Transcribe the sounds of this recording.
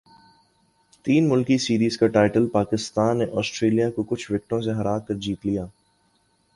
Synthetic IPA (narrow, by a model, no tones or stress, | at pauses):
t̪iːnmʊlkisiːɾiːzkaʈaːɪʈəlpaːkɪst̪aːnːeʔɔːsʈɾeːlijakokʊt͡ʃʰʋɪk̚ʈõseɦɐɾaːkɐɾd͡ʒiːt̪lijaː